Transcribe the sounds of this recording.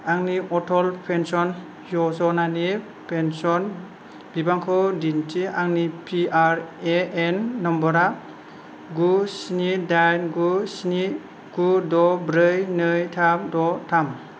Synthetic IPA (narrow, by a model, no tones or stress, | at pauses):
aŋniʔɔtʰɔlpʰensɔn | jɔsɔnani | pʰensɔn | b̥ibaŋkʰɯwdintiʔaŋnipʰiaɾeenːɔmbɔɾa | ɡusnidajnɡusni | ɡ̥udɔbɾɯjnɯjtʰamdɔtʰam